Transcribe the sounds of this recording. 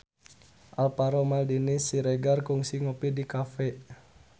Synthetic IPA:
ʔalpaɾomaldinisiɾeɡarkuŋsiŋopidikafɛʔ

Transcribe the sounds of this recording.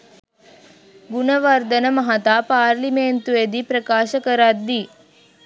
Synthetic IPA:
ɡunɐʋɐɾd̪ɐnɐmɐɦɐt̪aːpaːɾlimeːnt̪ued̪ipɾɐkaːʃɐkɐɾaːd̪ːi

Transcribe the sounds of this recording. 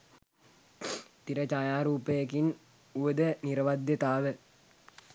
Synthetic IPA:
t̪iɾɐt͡ʃajaːɾuːpɐjɐkin | uʋəd̪əniɾɐʋad̪jɐt̪aːʋə

